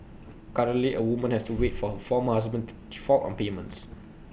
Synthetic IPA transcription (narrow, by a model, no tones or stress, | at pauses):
kaɹə̃nliʔəwumə̃nhɛstuwetfɔfɔmhasbə̃ntud̥ifɔltɔ̰̃npemə̰̃nts